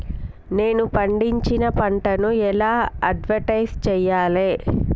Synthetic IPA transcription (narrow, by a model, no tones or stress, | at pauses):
ne̞ːnupɐɳɖiɲt͡ʃinɐpɐɳʈɐnuɛlaːɐɖʋɐɾʈɐjst͡ʃɛːjːaːleː